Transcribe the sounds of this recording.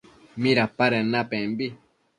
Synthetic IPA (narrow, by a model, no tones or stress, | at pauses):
mĩɾapaɾenapẽmbi